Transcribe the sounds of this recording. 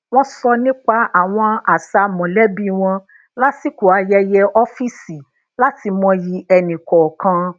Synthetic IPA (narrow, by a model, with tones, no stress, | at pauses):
w̃ɔ̃˦sɔ˧nĩ˦k͡pa˧ʔa˨w̃ɔ̃˧a˨sa˧mɔ̃˨lɛ˦bi˦w̃ɔ̃˧ | la˦si˦ku˨a˧jɛ˧jɛ˧ʔɔ˦fi˦si˨ | la˦ti˧mɔ̃˧ji˧ɛ˧nĩ˨kɔ˨kã˧